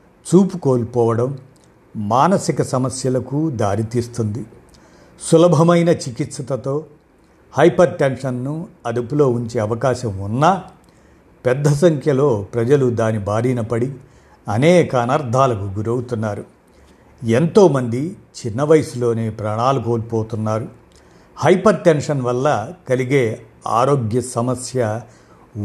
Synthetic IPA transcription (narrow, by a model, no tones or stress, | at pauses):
t͡ʃuːpuko̞ːlpɔːʋɐɽɐmː | aːnɐsikɐsɐmɐsjɐlɐkud̪aːɾit̪iːst̪und̪i | sulɐbʱɐmɐjnɐt͡ʃikit̪sɐt̪ɐt̪o̞ː | hɐjpɐɾʈenʂɐnːuɐd̪upulo̞ːuɲt͡ʃe̞ːɐʋɐkaːʃɐmunːa | pɛd̪ːɐs̬ɐŋkʰjɐlo̞ːpɾɐd͡ʒɐlud̪aːnibaːɾinɐpɐɽi | ɐnɛːkɐːnɐɾd̪ʱaːlɐkuɡuɾɐwt̪unːaːɾu | ent̪o̞ːmɐnd̪it͡ʃinːɐʋɐjsulo̞ːne̞ːpɾaːɳaːluko̞ːlpoːt̪unːaːɾu | hɐjpɐɾʈenʂɐnʋɐlːɐkɐliɡe̞ː | a̰ːɾo̞ːɡjɐsɐmɐsjɐ